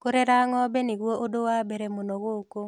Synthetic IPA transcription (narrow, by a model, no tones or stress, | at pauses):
koɾeɾaŋɔbenɪɡwoʔodowabeɾemonoɣoko